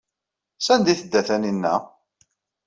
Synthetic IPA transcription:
sænd̪iθəd̪ːæθæninːæ̰

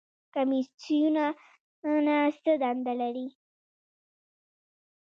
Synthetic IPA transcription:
kamitjuna | nast̪əd̪and̪alaɾi

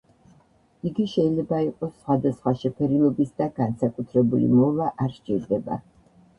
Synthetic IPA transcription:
iɡiʃɛilɛbaiqʼɔsːχwad̪asχwaʃɛpʰɛɾilˠɔbisd̪aɡansakʼut̪ʰɾɛbulḭmɔvaʔaɾʃt͡ʃʼḭɾd̪ɛba̰

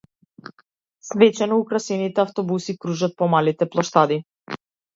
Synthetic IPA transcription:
svɛt͡ʃɛnɔukɾasɛnit̪ɛaft̪ɔbusikɾuʒat̪̚pɔmalit̪ɛplˠɔʃt̪ad̪i

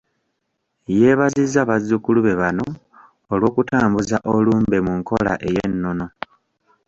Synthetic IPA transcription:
je̞ːβazizːaβazːukuluβe̞βano̞ː | lwo̞ːkutaːmbuzaʔoluːmbe̞muŋko̞la̰ʔejenːo̞no

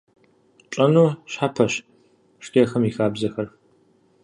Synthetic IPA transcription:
t͡ʃʼɐnuːɕħapʰɐɕ | ʂtʰiːɐxɐmiːxaːbzɐxɐr

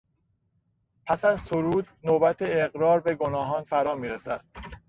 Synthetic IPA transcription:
pʰæsæzsoɾuːd̪nobæt̪ʰeːɣɾɒːɾbe̞ɡonɒːɦɒːnfæɾɒːmiːɾesæd̪̥

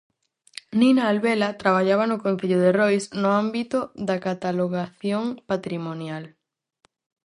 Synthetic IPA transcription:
ninaːlβelat̪ɾaβ̞aʎaβanʊkõn̟θeʎʊðerojsnʊambit̪oðakat̪aloɣaθjoŋpat̪ɾimonjal

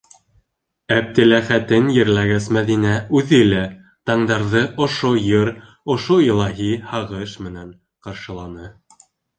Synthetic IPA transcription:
æb̚t̪ɘ̆læχæt̪ɘnjɘ̆ɾlæɡæsmæðinæʉðɘlæ | t̪ɑɴd̪ɑɾðɤʔŏʃojɤɾ | ŏʃoilˠɑɦihɑʁɤʃmɘ̆næɴ | qɑɾʃɤ̆lˠɑnɤ

